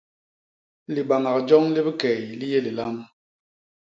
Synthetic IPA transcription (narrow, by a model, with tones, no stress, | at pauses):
li˨ba˨ŋa˨kd͡ʒɔ˦ŋli˦bi˦kɛ˨jli˦je˦li˨la˦m